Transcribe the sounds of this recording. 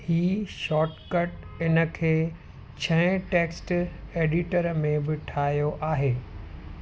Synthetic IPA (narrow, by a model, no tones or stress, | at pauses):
hiːʃɔːʈkəʈ | ɪnə̆kʰeː | t͡ɕʰɐ̃ɪ̃ʈeːksʈeːɖɪʈəɾmẽbɪʈʰaːijoʔaːɦeː